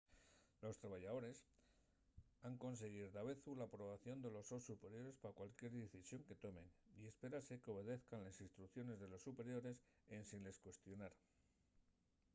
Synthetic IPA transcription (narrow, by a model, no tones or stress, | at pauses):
lo̞st̪ɾaβaʝaðo̞ɾe̞s | aŋko̞ns̬e̞ɣ̞iɾd̪aβe̞θulapɾo̞βaθjo̞nd̪e̞lo̞so̞sːupe̞ɾjo̞ɾe̞spaakwalkje̞ɾðeθisjo̞ŋke̞t̪o̞mẽ̞nie̞spe̞ɾase̞keo̞β̞e̞ðe̞θkanlesinst̪ɾukθjo̞ne̞zðe̞lo̞sːupe̞ɾjo̞ɾe̞sensinle̞skwe̞st̪jo̞naɾ